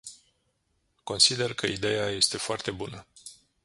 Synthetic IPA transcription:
ko̞nsid̪e̞rkəid̪e̞jaje̞st̪e̞foart̪e̞bunə

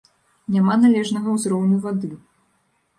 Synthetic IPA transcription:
nʲamanalʲɛʐnɐɣɐwzɾɔwnʲuvad̪ɨ

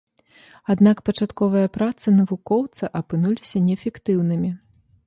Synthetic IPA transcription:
ad̪nakpɐt͡ʂat̪kɔvɐjɐpɾat̪sɨnɐvukɔwt̪sɐʔɐpɨnulʲisʲɐnʲɛfʲɛkt̪ɨwnɨmʲi

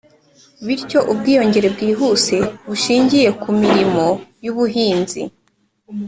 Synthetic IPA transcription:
βiɾco̞ʔubɡiːjo̞ɲɟe̞ɾe̞b̚ɡiːɦuːse̞βuʃiːɲɟije̞kumiɾimo̞juβuɦiːnzḭ

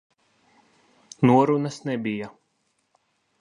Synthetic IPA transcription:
nuɔɾunasnɛbija

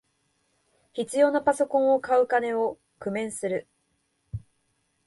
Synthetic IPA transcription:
çit͡sɨjo̞ːnapaso̞kõɰ̃o̞kaɯ̟kane̞o̞ | kɯ̟mẽ̞ɰ̃sɨɾɯ̟

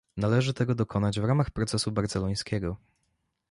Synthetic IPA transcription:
nalɛʐɘt̪ɛɡɔd̪ɔkʰɔnad͡ʑvɾamaxpɾɔt̪sɛsubaɾt̪zɛlɔj̃skʲɛɡɔ

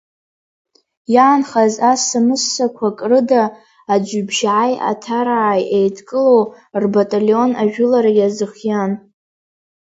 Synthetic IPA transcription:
jaːnχazasamɨsːakʷʰakʼrɨdaː | d͡ʒʷʊbʒʕaja̰tʰaɾaʕːjʔejtʰkʼɨlow | rbatʼalo̞naʒᶣʊlaɾajazɨχjan

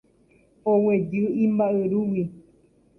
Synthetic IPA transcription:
owed͡ʒɨĩmbaʔɨɾuwi

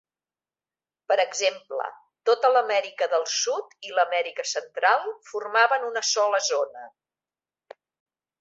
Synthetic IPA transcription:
pəɾəɡzemplə̰ | t̪ot̪ələmɛɾikəðəlˠsut̪iləmɛɾikəsənt̪ɾalˠfurmaβənunəsɔləzonə

